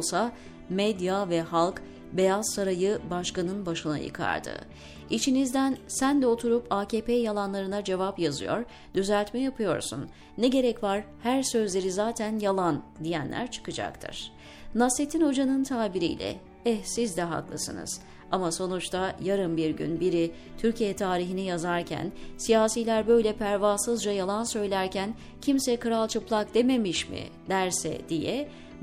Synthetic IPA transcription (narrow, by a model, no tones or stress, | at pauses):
sa | mɛd̪javɛɦalˠk | be̞jazsaɾajɯbaʃkanɯnbaʃɯna̰jɯ̰kʰa̰ɾd̪ɯ̰ | it͡ʃʰinizd̪ænsænd̪ɛo̞t̪ʰuɾupʰaːcʰeːpʰejalˠanlˠaɾɯnad͡ʒe̞vapjazɯ̰jo̞̰ɾ | d̪̥yzælʲt̪mɛjapʰɯjo̞ɾsunː | ɛɟe̞ɾɛcvaɾhæɾsø̞zlʲe̞ɾizaːt̪ʰænjalˠand̪ijæ̰nlʲʔæ̰ɾt͡ʃʰɯ̥kɯd͡ʒa̰k̚t̪ʰɯ̰ɾ̥ | naset̪ʰinho̞d͡ʒanɯnt̪ʰaːbiɾḭjlʲɛ̰ | ɛsizd̪ɛɦa̰klˠɯsɯnɯ̰z̥ | amaso̞nut͡ʃt̪ʰajaɾɯmbiɾɟy̰nbiɾi | t̪ʰyɾcʰijɛt̪ʰaːɾiɦinijazaɾcʰæ̰nsijaːsiːlʲæɾbø̞jlʲɛpʰæɾvasɯzd͡ʒajalˠansø̞jlʲæɾcʰæn | cʰimsɛkɯɾalˠt͡ʃʰɯplˠak̚d̪̥e̞me̞miʃmɪ̰d̪̥æɾsɛ̰d̪̥ijɛ